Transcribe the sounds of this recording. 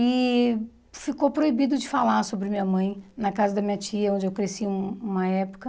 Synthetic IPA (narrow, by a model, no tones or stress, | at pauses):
ɪ | fikopɾoibid̪ʊd͡ʒɪfalasobɾɪmĩɲɐmɐ̃j̃nɐkazɐd̪ɐmĩɲɐt͡ʃiɐõnd͡ʒɪewkɾesiũũmɐɛpʊ̥kɐ